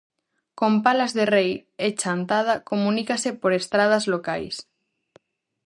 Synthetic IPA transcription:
kompalazðerejet͡ʃant̪að̞akomũnikasepoɾest̪ɾað̞azlokajs

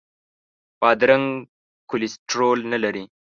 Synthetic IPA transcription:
pɑd̪ɾaŋ | kʊlɪsʈɾolnalaɾi

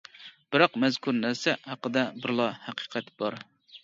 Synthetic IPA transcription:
b̥ɨɾɑqmɛzkʰuɾnæɾsɛhæqəd̪ɛbɪɾlˠɑhæqʰi̥qʰɛt̪b̥ɑɾ

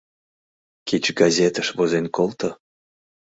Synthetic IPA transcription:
kit͡ɕɡazʲet̪əʃβozenkolˠt̪o

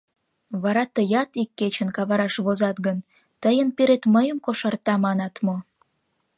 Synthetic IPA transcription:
βɑɾɑt̪əjɑt̪ikːet͡ɕənkɑβɑɾɑʃβozɑt̪̚ɡən | t̪əjənpiɾet̪məjəmkoʃɑrt̪ɑmɑnɑt̪mo

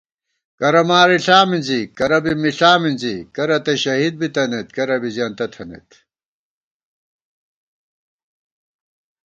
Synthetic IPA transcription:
kɐɾɐmaːɾiɬaːminzikɐɾɐbimiɬaːminzikɐɾɐt̪eɕɐɦid̪̚bit̪ɐnet̪kɐɾɐbizjaːnt̪ɐt̪ʰɐnḛt̪

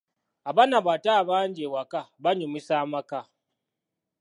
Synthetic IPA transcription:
aβanaβataβaːɲɟewakaβaɲumisamaka

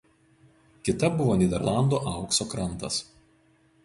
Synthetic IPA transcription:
kʲɪt̪ɐbʊʋoːnʲid̪ʲɛɾlˠɑˑnd̪oʔɑˑʊksoːkɾɐnˑt̪ɐs

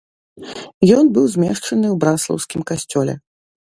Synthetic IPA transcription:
jɔnbɨwzʲmʲɛ̰ʂt͡ʂɐnɨwbɾaslˠɐ̰wskʲimkasʲt͡sʲɔlʲɛ̰

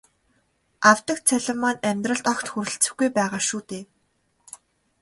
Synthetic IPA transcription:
awt̪ə̆kt͡sʰæɮə̆mːanæmʲt̪rə̆ɮt̪ɔkt̪xuɾɘ̆ɬt͡sɘ̆xɡujpæːʁaːʃuːt̪eː

